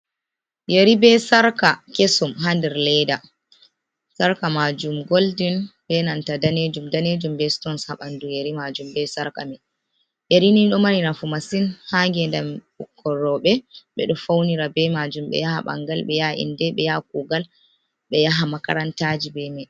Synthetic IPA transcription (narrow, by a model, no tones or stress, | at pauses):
jeɾibɛsaɾkakesumɦandɛɾlɛda | saɾkamad͡ʒumɡoldinbɛnantadaned͡ʒumdaned͡ʒumbɛstɔnshaɓandujeɾimad͡ʒumbɛsaɾka̰mɛ | ɓeɾiniɗɔmaninafumasinhaŋɡɛndamɓukʰːɔɾɔɓɛɓɛɗɔfawniɾabɛmad͡ʒumɓɛ̰jaha̰ɓa̰ŋɡalɓɛjaʔḭndɛɓɛjak̚uɡal | ɓɛjaɦamaka̰ɾantaːd͡ʒibɛmɛ